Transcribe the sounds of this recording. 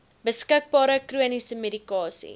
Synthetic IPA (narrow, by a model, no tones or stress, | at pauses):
bəskək̚bɑːɾəkruənisəmedikɑːsḭ